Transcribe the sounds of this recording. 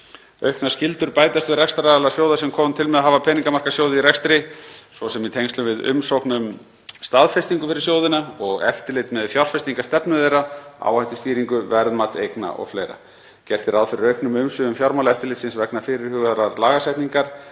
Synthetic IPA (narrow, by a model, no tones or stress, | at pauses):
œɥhknḁscɪlt̪ʏɾpaːjt̪ast̪vɪrɛkst̪ɾaalasjowðasɛmkʰɔmnt̪ʰɪlmɛðaɦaːvapʰɛːniŋkamaɾ̥rkḁsjowðɪiɾɛkst̪ɾɪsɔsɛmit̪ʰejnst̪ʏmvɪðʏ̰msowknʏm | st̪aðfɛst̪iŋkʏfɪɾɪ̥ɾsjoːwðɪnaɔɣɛft̪ɪlɪt̪mɛðfjawr̥fɛst̪iŋkast̪ɛpnʏðejɾaa̰whajht̪ʏst̪iːɾiŋkʏvɛɾðmat̪ejkna̰ʔɔ̰ɣflejɾa̰ | cɛr̥t̪ɪɾaðfɪɾɪɾœɥhknʏmʏmsʏðʏmfjawɾmawlɛft̪ɪɾlɪt̪sɪnsvɛknafɪːɾɪɾ̥hʏːɣaðɾaɾlaːɣasajht̪niŋkaɾ̥